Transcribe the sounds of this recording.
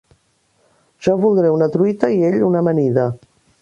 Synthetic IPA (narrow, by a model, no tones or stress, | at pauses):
ʒ̥ɔβulˠd̪ɾɛunət̪ɾuit̪əieʎunəməniðə